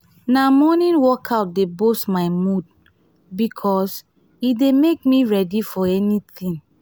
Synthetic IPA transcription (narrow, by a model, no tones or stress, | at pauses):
namɔnĩnwɔkʰaʊt̚debostmaɪmud̚ | bikʰɔs | idemekmiɹɛdifɔɛnit̪ĩn